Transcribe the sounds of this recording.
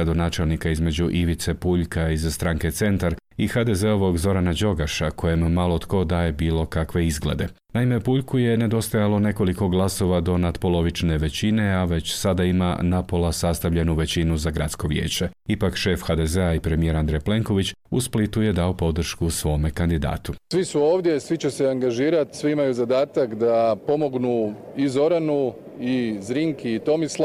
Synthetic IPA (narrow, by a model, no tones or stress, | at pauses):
ɾad̪o̞naːt͡ʃe̞lnikaizme̞d͡ʑuʔiʋit̪se̞puʎkaizst̪ɾaːŋke̞t̪se̞nt̪aɾixad̪ezeo̞ʋo̞ɡzo̞ɾanad͡ʒo̞ɡaʃako̞jemːalot̪ko̞d̪aːje̞biːlˠo̞kakʋe̞izɡlḛd̪e̞ | naime̞puʎkuje̞ne̞d̪o̞st̪ajalˠo̞ne̞ko̞liko̞ɡlˠaso̞ʋad̪o̞nad̪po̞lo̞ʋit͡ʃne̞ʋe̞t͡ɕine̞aʋe̞t͡ɕsad̪aima̰napo̞lasast̪aʋʎe̞nuʋe̞t͡ɕinuzaɡɾa̰t̪sko̞ʋjḛːt͡ɕe̞ipakʃe̞fxad̪ezeaipɾe̞mije̞ɾand̪ɾejple̞ŋko̞ʋit͡ɕ | usplit̪uje̞d̪ao̞po̞d̪r̩ʃkusʋo̞ːme̞kand̪id̪a̰ːt̪usʋisuoːʋd̪je̞sʋit͡ɕeseaŋɡaʒiːɾat̪sʋiimajuzad̪aːt̪akd̪apo̞mo̞ɡnu | izo̞ɾanu | izɾiŋkiːt̪o̞misl